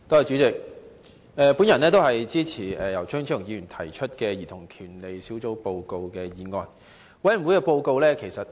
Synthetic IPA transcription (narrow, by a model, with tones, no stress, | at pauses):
t̪ɔː˥˨jt͡ʃyː˨˥t͡sɪ˨k̚ | ɛː˨˧puː˨˥njɐ˨˩nɛː˥t̪̬o˥ɦɐ˨jt͡siː˥t͡sʰiː˨˩ɛː˨jɐ˨˩wt͡ʃʰœː˥ŋt͡ʃʰœː˥˨˩ŋji˨˧jyː˨˩nt̪ʰɐ˨˩jt͡ʃʰɵ˥t̚kɛ˧jiː˨˩t̪ʰʊ˨˩ŋkʰyː˨˩nle˨˧jsi˨˥wt͡so˨˥wpo˧wko˧wkɛː˧jiː˨˧ŋɔː˧n | wɐ˨˥jwu˨˥jkɛː˧po˧wko˧wlɛː˥kʰe˨˩jsɐ˨t̚